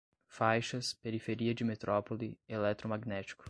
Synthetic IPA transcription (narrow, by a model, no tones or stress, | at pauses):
fajʃɐspeɾifeɾiɐd͡ʒɪmet̪ɾʔɔpolɪelɛt̪ɾomaɡnɛt͡ʃi̥kʊ̥